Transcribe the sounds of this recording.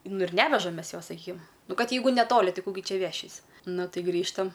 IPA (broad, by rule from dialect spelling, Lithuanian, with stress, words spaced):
nʊ ɪr ˈnʲæːʋʲɛʒɐm ˈmʲɛs ˈjoːs sɐˈkʲiːkʲɪm ˈnʊ ˈkɐt ˈjɛɪɡʊ nʲɛˈtoːlʲɪ ˈtɐɪ ˈkuː ɡʲɪ ˈt͡ʃʲɛ ˈʋʲæːʃʲiːsʲ ˈnʊ ˈtɐɪˈɡrʲiːʃtɐm